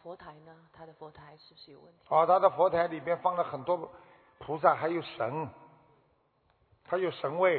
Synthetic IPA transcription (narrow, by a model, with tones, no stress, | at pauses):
fwɔ˧˥t̪ʰa˧˥ɪnə˧t̪ʰa˥d̪ə˨fwɔ˧˥t̪ʰa˧˥ɪʂɻ̩˥˩bʂɻ̩˥jo˨˩ʊwə˥˩nt̪ʰɔ˥˧t̪ʰa˥d̪ə˨fwɔ˧˥t̪ʰa˧˥ɪli˨˩mjɛ˥nfɑ˥˩ŋlə˨xə˨˩nt̪wɔ˥ | pʰu˧˥sa˥˩xa˧˥ɪjo˨˩ʊʂə˧˥n | t̪ʰa˥jo˨˩ʊʂə˧˥ŋwe˥˩ɪ